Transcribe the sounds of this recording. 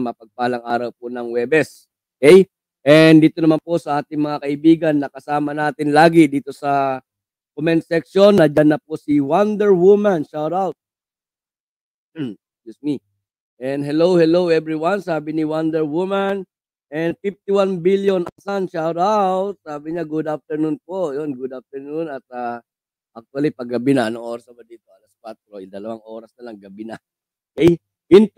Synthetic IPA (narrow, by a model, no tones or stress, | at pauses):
mɐɐpɐɡ̚paɐlɐŋʔa̰ːɾɐwp̚onɐŋwɛːbɛs | okɛj | ʔɛnd̪iːt̪onɐmanpo̞sɐʔaːt̪ɪŋmɐŋakɐʔɪbiːɡɐnːɐkɐsaːmɐnaːt̪ɪnlaːɡɪd̪iːt̪o̞sɐ | komɛnt̪̚sɛk̚ʃo̞nːɐd͡ʒanːɐposiwand̪ɛɹwumanʃawɾawt̪̚ | jusmi | ʔɛnd̪ɦɛlowhɛlowɛbɹiwansaːbɪniwand̪ɛɹwuman | ʔɛnfift̪iwanbiljonʔasanʃawɾawt̪̚saːbɪɲaɡud̪af̚t̪ɛɹnʊnpojonɡud̪ap̚t̪ɛɹnʊnɐt̪̚a | ʔak̚t̪uɐlipɐɡɐbɪnɐɐnoŋʔoːɾɐsnɐbɐd̪iːt̪o̞ɐlaskwat̪̚ɾoɪd̪ɐlɐwaŋʔo̞ːɾɐsnɐlaŋɡɐbinɐ | kɛj | ɪn